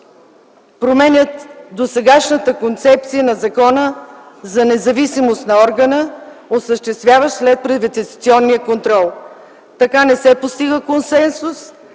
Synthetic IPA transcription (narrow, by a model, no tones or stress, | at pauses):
pɾomɛnʲət̪d̪osɛɡaʃnət̪əkont̪sɛp̚t̪sijənɐzɐkɔnəzɐnɛzɐvisimost̪nɐɔɾɡənəosəʃt̪ɛst̪vʲjavəslɛt̪̚pɾɛd̪vɛt̪ɛsɐt̪siɔnːijəkont̪ɾɔlˠ | t̪ɐkanɛsɛpost̪iɡəkonsɛnsus